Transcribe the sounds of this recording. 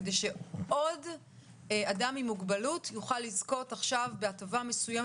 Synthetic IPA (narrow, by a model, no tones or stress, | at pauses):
dejʃeo̞d | adamimuɡbalutʰjuχalːizko̞taχʃavbeatavame̞sujem